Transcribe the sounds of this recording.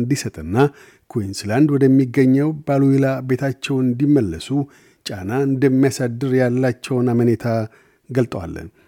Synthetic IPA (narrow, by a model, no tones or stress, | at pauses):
nd̪isət̪ʼɨnːa | kʰuinsland̪wɔd̪əmːiɡəɲːɛwbaluhilabe̞t̪ʰat͡ʃːɛwɨnd̪imːəlːəsu | t͡ʃʼanaɨnd̪əmːijasad̪ːɨɾjalːat͡ʃːɛwnamənet̪ʰa | ɡəlt̪ʼəwa̰lːə̰n